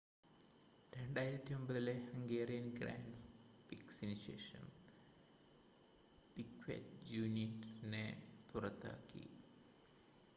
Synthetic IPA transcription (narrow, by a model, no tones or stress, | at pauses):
ɾe̞ɳɖaːjiɾɐt̪ːio̞mbɐðilehɐŋɡeːrijɐnɡra̰ːnɖ | piksinuɕe̞̰ːʂɐ̰m | pikʋḛtd͡ʑuːnitnepurɐt̪ːa̰ːkːḭ